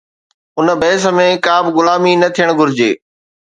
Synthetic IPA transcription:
ʊnə̆bɛːs̬ə̆mẽkaːbɡʊlaːminɐt̪ʰijəɽ̃ɡʱʊɾɪd͡ʑeː

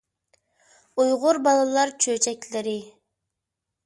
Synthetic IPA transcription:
ujʁʊɾbɑlˠɑlˠɑɾt͡ʃʰøːt͡ʃʰɛkʲleɾi

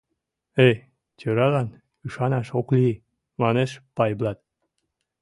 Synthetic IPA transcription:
ej | t͡ɕʲøɾɑlɑn | yʃɑnɑʃokli | mɑneʃpɑjblɑt̪̚

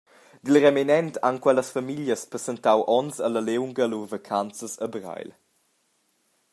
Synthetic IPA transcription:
d̪ilrɛminɛntʰankwɛləsfamiljəspɾɛsɛntawʔɔnsələlewŋɡəluvəkʰant͡səsəbra̰jl

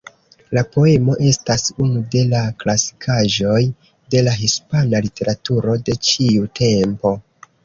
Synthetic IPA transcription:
lapo̞e̞mo̞ʔe̞stasunude̞laklasi̥kʰaʒo̞j | de̞laɦispanalite̞ɾatuɾo̞de̞t͡ʃiutʰe̞mpo̞

